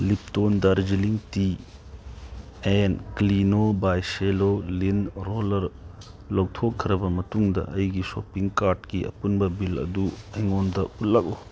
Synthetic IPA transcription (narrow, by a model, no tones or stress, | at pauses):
lip̚tondaɾd͡ʒiliŋti | enklinobajselolinɾolɐɾ | lowtʰokʰːɐɾɐbɐmɐtuŋdɐ̰ʔɐjɡisopiŋkaɾdkiɐ̰punbɐbilɐ̰duɐjŋondɐutlːɐk̚u